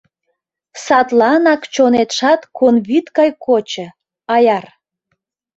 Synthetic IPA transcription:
sɑt̪lɑnɑkt͡ɕonet̪ʃɑt̪konβit̪kɑjkʰot͡ɕə̆ | ɑjɑr

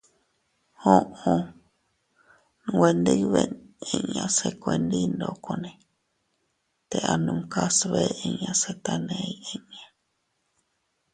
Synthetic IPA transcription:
hõʔõ | nwend̪iβenẽɲãsekʷend̪ind̪okonẽ | t̪eʔanũŋkasβeʔẽɲãset̪anẽiẽɲã

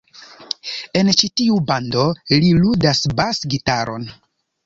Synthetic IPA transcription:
e̞nt͡ʃitiubando̞liludasbasɡitaɾʔo̞̰n

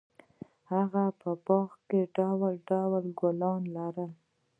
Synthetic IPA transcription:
haɣapəpɑxkeɖawalɖawalɡolɑnlaɾəl

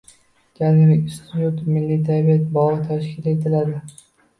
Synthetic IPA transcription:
d͡ʒaŋlɪkʲst̪ʰɪt̪jut̪mɪlːit̪ʰabijat̪bɒɨt̪ʰaʃkʲʰɪle̞t̪ʰɪlad̪ɪ

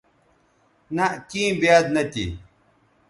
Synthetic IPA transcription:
nɐʔkĩːbjaːd̪nɐt̪ḭ

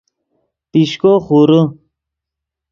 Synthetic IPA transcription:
piɕkoχuɾu

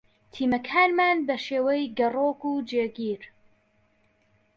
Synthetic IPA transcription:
t̪ʰiːmɐkʰaːnmaːnbɐʃeːwejɡɐroːkuːd͡ʒeːɡiːɾ

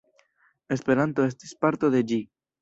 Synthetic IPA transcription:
e̞spe̞ɾant̪o̞e̞st̪i̥spaɾt̪o̞ðe̞d͡ʒi

